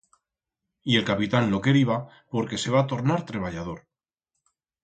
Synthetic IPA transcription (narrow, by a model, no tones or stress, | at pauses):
ie̞lkapit̪anlo̞ke̞ɾiβa | po̞ɾke̞se̞β̞aːt̪o̞ɾnaɾt̪ɾe̞β̞aʎað̞o̞ɾ